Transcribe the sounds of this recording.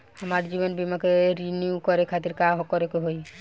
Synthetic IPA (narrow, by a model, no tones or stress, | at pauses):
amaɾd͡ʒibɔnbimakeɾinjukɔɾekʰat̪iɾkaɦɔkɔɾekeɦoj